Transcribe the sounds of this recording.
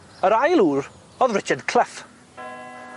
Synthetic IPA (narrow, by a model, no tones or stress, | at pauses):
əɾajlˠuːɾ | ɔðrɪt͡ʃʰədkʰl̥ɪf